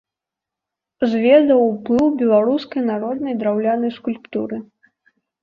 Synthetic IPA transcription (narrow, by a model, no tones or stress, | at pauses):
zʲvʲɛd̪ɐwplˠɨwbʲɛlˠaɾuskɐjnaɾɔd̪nɐjd̪ɾawlʲanɐjskulʲpt̪uɾɨ